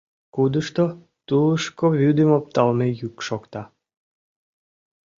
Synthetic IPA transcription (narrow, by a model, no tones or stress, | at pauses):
kud̪əʃt̪o | t̪uləʃkoβʲyd̪emop̚t̪ɑlmejykʃokt̪ɑ